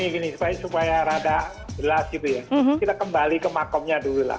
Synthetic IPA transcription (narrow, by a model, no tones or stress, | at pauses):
niɡinisupajasupajaɾadaʔ | bəlasɡit̪ujakid̪aʔkəmbalikəmakɔmɲadulula̰h